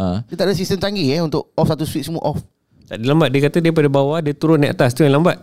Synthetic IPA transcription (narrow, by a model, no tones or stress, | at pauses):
ə̃diət̪aʔdas̬ist̪əmt̪aŋɡiɛunt̪ʊʔ̚ɔfsat̪uswit̪səmuʔɔf | t̪aʔdilambat̪̚diəkat̪ədiəp̬adabawadiət̪uɾʊnaʔat̪ast̪ujãlambaʔ̪̚